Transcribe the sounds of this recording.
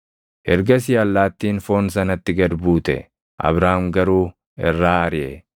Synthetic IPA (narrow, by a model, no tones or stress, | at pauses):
ʔɛɾɡɐs̬ɪjɐlːaːt̪ːiːnfo̞ːnsɐnɐt̪ːɪɡɐd̪buːt̪ɛ̰ | ʔɐ̰βɾaːhmɡɐɾuː | ɪrːaːɐɾɪʔɛ̰